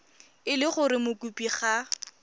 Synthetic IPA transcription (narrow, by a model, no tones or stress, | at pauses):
ɪlɪχʊɾɪmʊkupiχa